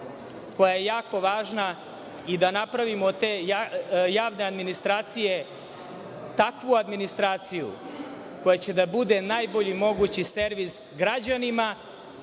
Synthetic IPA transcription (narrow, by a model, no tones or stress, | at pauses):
ko̞jajejaːko̞ʋaːʒna | id̪anapɾaʋimot̪eajaːʋnead̪minist̪ɾaːt̪sije | t̪akʋuad̪minist̪ɾaːt̪sijṵ | ko̞jat͡ɕe̞d̪abud̪e̞najboʎimo̞ɡut͡ɕiseɾʋisɡɾad͡ʑanima